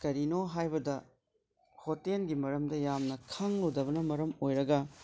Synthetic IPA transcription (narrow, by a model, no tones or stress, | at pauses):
kɐɾinoɦajbɐdɐ | hotenɡimɐɾɐmdɐjamnɐkʰɐŋludɐβɐnɐmɐɾɐmojɾɐɡɐ